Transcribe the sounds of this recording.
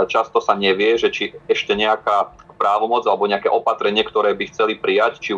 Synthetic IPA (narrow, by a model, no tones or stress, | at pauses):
t͡ʃast̪ɔsaɲɛʋɪɛʒɛt͡ʃiɛʃcɛɲɛakaːpɾaːʋɔmɔd͡zalɛbɔɲɛakɛːʔɔpat̪ɾɛɲɪɛkt̪ɔɾɛːbixt͡sɛlipɾijact͡ʃi